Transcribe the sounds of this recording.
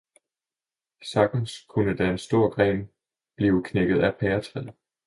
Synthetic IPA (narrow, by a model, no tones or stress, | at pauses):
sɑ̈ɡ̥n̩skʰunəd̥æensd̥o̝ɐ̰ɡ̥ʁɛ̰ːn | b̥liːʊkʰneɡ̥ð̞̩ˠæpʰɛːɐt͡sʰʁɛðˠ